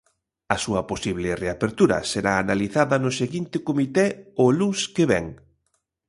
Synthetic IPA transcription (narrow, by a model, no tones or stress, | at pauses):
ɐsuɐposiβlɪreapeɾt̪uɾɐ̰seɾaːnaliθaðɐnʊseɣint̪ɪkomit̪ɛʊluskeβɛ̰ŋ